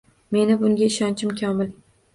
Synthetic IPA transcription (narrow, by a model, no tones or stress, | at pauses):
me̞nɪbʊŋɡʲaɪʃɒnt͡ʃʰɪmkʲʰɒmɪl